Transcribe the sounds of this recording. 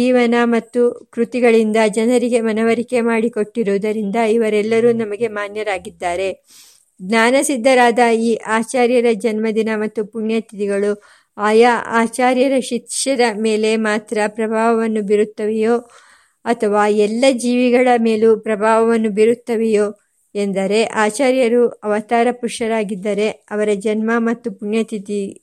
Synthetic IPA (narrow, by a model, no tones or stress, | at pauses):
d͡ʒiːʋɐnɐmɐt̪ːukɾut̪iɡɐɭind̪ɐd͡ʒɐnɐɾiɡe̞mɐnɐʋɐɾike̞maːɽiko̞ʈːiɾuːd̪ɐɾind̪ɐiʋɐɾɛlːɐɾuːnɐmɐɡe̞maːnjɐɾaːɡid̪ːaːɾe̞ | ɡnaːnɐsid̪ːɐɾaːd̪ɐiːʔaːt͡ʃaːɾjɐɾɐd͡ʒɐnmɐd̪inɐmɐt̪ːupuɳjɐt̪it̪iɡɐɭu | aːjaa̰ːt͡ʃaːɾjɐɾɐʃikʂɐɾɐme̞ːle̞maːt̪ɾɐpɾɐbʱaːʋɐʋɐnːubiɾut̪ːɐʋɛjoː | ɐt̪ʰɐʋaːɛlːɐd͡ʒiːʋiɡɐɭɐme̞ːlupɾɐbʱaːʋɐʋɐnːubiɾut̪ːɐʋɛjo̞ː | end̪ɐɾe̞ʔaːt͡ʃaːɾjɐɾuɐʋɐt̪aːɾɐpuʂɐɾaːɡid̪ːɐɾe̞ɐʋɐɾɐd͡ʒɐnmɐmɐt̪ːupuɳjɐt̪ʰit̪i